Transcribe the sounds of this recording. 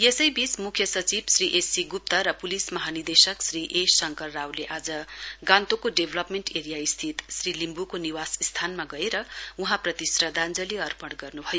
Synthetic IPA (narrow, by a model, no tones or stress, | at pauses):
jesʌjbismukʰjʌsʌt͡sibsriʔesiɡup̚t̪ʌɾʌpulismʌɦanird̪esʌksriʔesʌŋkʌrːawleʔad͡zʌɡãnt̪okoɖebʱlʌpmeɳʈeɾijaist̪ʰit̪srilimbukoniwasist̪ʰanmaɡʌeɾʌuɦãprʌt̪isrʌd̪ʱand͡zʌliʌrpʌɽɡʌrnubʱʌjo